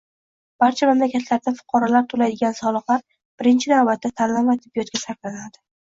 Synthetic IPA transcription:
b̥aɾt͡ʃʰamamlakʲat̪ʰlaɾd̪afʊ̥qʰɑɾalaɾt̪ʰolajd̪ɪɡʲansɒlˠɨqlˠaɾ | b̥ɪɾɪnt͡ʃʰɪnavbat̪ʰːat̪ʰalːamvat̪ʰɪbːijɒt̪̚ɡʲasaɾklanad̪ɪ

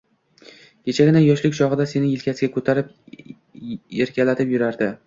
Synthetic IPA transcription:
kʲʰe̞t͡ʃʰaɡʲɪnajɒʃlɪkʲt͡ʃʰɒʁɨd̪ase̞nɪjɪlkʲʰasɪɡʲakʰɵt̪ʰaɾɪp | eɾkʲalat̪ʰɪpjʊɾaɾd̪ɪ

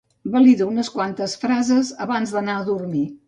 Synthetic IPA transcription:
bəliðuunəskwant̪əsfɾazəzəβanzðənaəðurmi

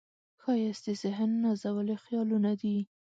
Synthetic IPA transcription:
xɑjasd̪əzɪɦnːazawəlexjɑlunad̪i

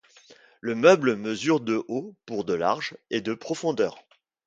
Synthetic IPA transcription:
ləmœbləməzyʁd̪əʔopuʁd̪əla̰ʁʒed̪əpχɔfɔ̃d̪œːʁ

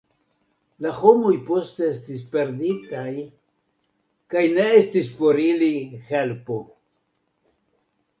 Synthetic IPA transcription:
laho̞mo̞jpo̞ste̞estispe̞ɾditaj | kajne̞estispo̞ɾilihe̞lpo̞

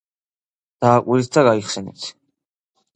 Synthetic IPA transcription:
d̪̥aːkʼulit̪d̪aɡaiχsɛnɛ̰t̪ʰ

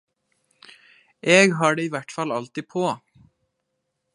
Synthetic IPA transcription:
ʔeːɡɦɑːɖeːiːʋæʈfɑlɑlt̪iːpʰoː

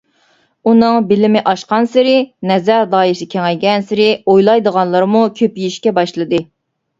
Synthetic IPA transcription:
unɨŋbɪlɪmɪʔɑʃqɑnsɪɾɪnɛzæɾd̪ɑːisɪkʲʰɛŋɛjɡʲɛnsɪɾɪojlˠɑjd̪əʁɑnlˠɑɾmukʲʰøpjiʃkʲɛbɑʃlˠɨd̪ɨ

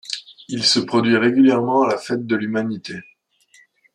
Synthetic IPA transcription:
ilsəpχɔd̪ɥiʁeɡʲyljɛʁmɑ̃alafɛt̪̚d̪əlymanit̪e

